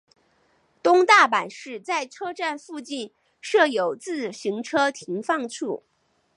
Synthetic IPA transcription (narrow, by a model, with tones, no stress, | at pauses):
t̪ʊ˥ŋt̪a˥˩pa˨˩nʂɻ̩˥˩˧t͡sa˥˩ɪʈ͡ʂʰɤ˥ʈ͡ʂa˥˧nfu˥˧t͡ɕi˥˩n | ʂɤ˥˩jo˨˩ʊt͡sɹ̩˥˩ɕi˧˥ŋʈ͡ʂʰɤ˥t̪ʰi˧˥ŋfɑ˥˧ŋʈ͡ʂʰu˥˩